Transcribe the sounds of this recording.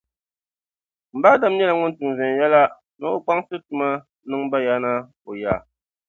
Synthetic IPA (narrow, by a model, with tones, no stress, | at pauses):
m̩˨baː˦da˦m˦ɲɛ˦la˨ŋʊ˦n˦tɨ˨ŋ˨zɛ˨n˨jɛ˦la˦ | nɨ˦o˦k͡pa˦ŋsɨ˦tu˨ma˦ | nɨ˦ŋba˦ja˦na˦ | o˨ja˨